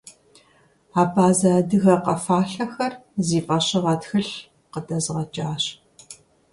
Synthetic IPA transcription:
aːbaːzɐdɨɣɐqɐfaːɬɐxɐrziːpʼɐɕɪʁɐtxɨɬ | qədɐzʁɐt͡ʃʼaːɕ

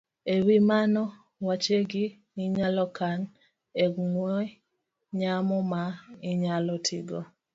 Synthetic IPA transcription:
ewimanɔ | wat͡ʃeɡi | niɲalɔkan | ɛɡŋwɔ | ɲamɔmaiɲalɔtʰiɡɔ

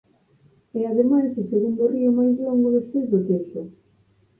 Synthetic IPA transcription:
ɛaðemajsʊseɣund̪oriʊmajzlɔŋɡʊðespezðʊt̪eʃʊ

